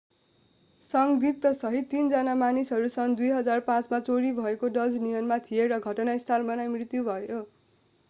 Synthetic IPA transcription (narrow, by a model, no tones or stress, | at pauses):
sʌŋɡd̪it̪ːʌsʌɦiːind͡zʌnamanisɦʌɾusʌŋd̪ujɦʌd͡zarpãt͡smat͡soɾibʱʌekoɖʌd͡znijʌnmat̪ʰijeɾʌɡʱʌʈʌnaist̪ʰalbʌnajmrit̪jubʱʌjo